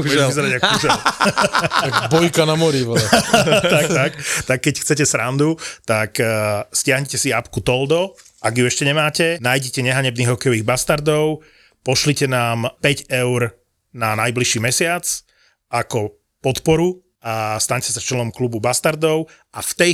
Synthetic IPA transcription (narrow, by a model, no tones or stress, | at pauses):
ʒizɛɾadakuʒ | bɔjkanamɔɾiʋ | t̪ak̚t̪akt̪akːɛcxt͡sɛcɛsɾand̪ut̪akscɪaɦɲɛcɛsiapkut̪ɔld̪ɔ | aɡjuɛʃcɛɲɛmaːcɛnaːjɟɛcɛɲɛɦaɲɛbniːɣɦɔkɛjɔʋiːɣbast̪aɾd̪ɔʊ | pɔʃlicɛnaːmpɛɟɛʊɾ | nanajbliʃiːmɛsɪat͡s | ʔakɔ | pɔt̪pɔɾu | ast̪aɲcɛsat͡ʃɛlɔmklububast̪aɾd̪ɔʊ | ʔaft̪ɛ